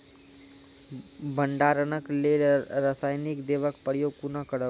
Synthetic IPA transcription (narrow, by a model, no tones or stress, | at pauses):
bəɳɖaɾənəkleɾəsaːjnikd̪eːʋəkpəɾjoɡ̚kunəkəɽə